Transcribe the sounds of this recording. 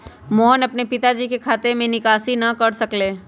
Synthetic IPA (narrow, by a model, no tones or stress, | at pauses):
mɔːnɐpnepɪt̪ad͡ʒiːkekʰaːt̪emẽnɪkaːsinɐkɐɽsɐkleː